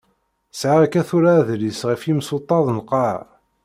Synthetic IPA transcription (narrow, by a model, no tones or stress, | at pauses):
sʕakæθuɾaðlisʁəfimsot̪ˤːɑðˤnqɑʕ